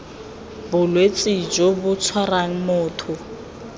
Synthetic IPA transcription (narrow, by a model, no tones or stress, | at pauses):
bʊlwet͡sʼɪd͡ʒobʊt͡sʰwaraŋ̩mʊːtʰʊ